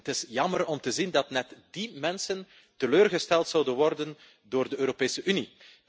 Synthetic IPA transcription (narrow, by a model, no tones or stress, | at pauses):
tɪsjɑmərɔmtəzindɑtnɛtd̥imɛnsən | təløːrɣəstɛlˠtsɑwdənʋɔrdən | doːrdəøːɾopeːsəʔyni